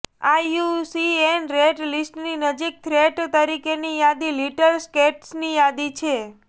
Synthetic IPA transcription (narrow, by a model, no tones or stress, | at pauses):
ausienɾeɖlisʈninəd͡ʒik̚t̪ʰɾeʈt̪əɾikenijad̪iliʈəɾskeʈsnijad̪it͡ʃʰe